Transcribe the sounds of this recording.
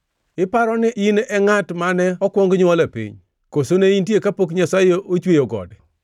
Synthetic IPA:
ɪpaɾɔnɪʔɪnɛŋatmanɛɔkwɔŋɡɲwɔlapḭɲ | kosoneintjekapok̬ɲasajoʔot͡ʃwejoɡɔ̰d

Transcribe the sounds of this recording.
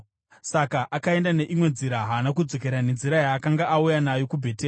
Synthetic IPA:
sakaʔakae̞ndane̞ʔimwe̞nziɾaɦaːnak̬ud͡zo̞ke̞ɾane̞nziɾajaːkaŋɡaʔaujanajo̞kubʱeːteː

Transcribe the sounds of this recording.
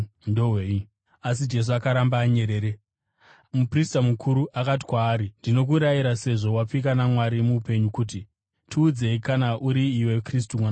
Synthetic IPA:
ndoɦwei | asid͡ʒe̞s̬uakaɾambaːɲe̞ɾe̞ːɾe | mupristamukʰuɾuʔakati̥kwaːɾindino̞k̬uɾajiɾase̞ʐo̞wap͡fik̬anamwaɾimuːpe̞ɲukuːt̬i | tʰiːd͡ze̞ikanaʔuɾiːwe̞kristumwana

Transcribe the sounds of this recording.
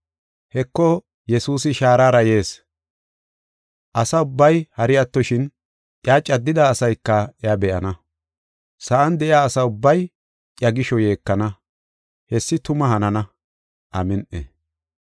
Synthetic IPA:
hɛkːɔ | jɛsuːs̬ɪʃaːɾaːɾɐje̞ːs | ʔɐsɐʊbːɐjhɐɾɪjat̪ːɔʃɪn | ʔɪjaːt͡ʃʼɐd̪ːɪd̪aːsɐjkːɐɛabɛʔɐnɐ | sɐʔɐnd̪ɛʔɪjaːsɐʊbːɐj | ʔʼjɐɡɪʃɔje̞ːkːɐnɐ | hɛsːɪt̪ʊmɐɦɐnɐnɐ | ʔɐmɛnʔḛ

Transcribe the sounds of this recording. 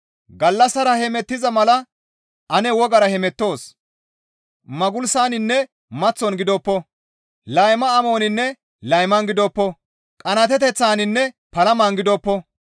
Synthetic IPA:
ɡɐlːɐsɐɾɐhɛmɛt̪ːɪzɐmɐlɐ | ʔɐnɛwɔɡɐɾɐhɛmɛt̪ːo̞ːs | mɐɡʊlsaːnɪnːɛ | mɐt͡sːɔnɡɪd̪ɔːpːɔ | lɐjmɐːmo̞ːnɪnːɛ | lɐjmɐnɡɪd̪ɔːpːɔ | kʼɐnɐt̪ɛt̪ɛt͡sːaːnɪnːɛ | pɐlɐmanɡɪd̪ɔːpːɔ

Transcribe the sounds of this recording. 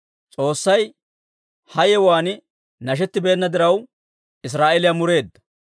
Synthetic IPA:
t͡sʼo̞ːsːɐj | hɐjɛwaːnɪ | nɐʃ̬ɛt̪ːɪbeːnːɐd̪ɪɾɐw | ɪs̬ɾaːʔɛlɪjamʊɾe̞ːd̪ːɐ̥

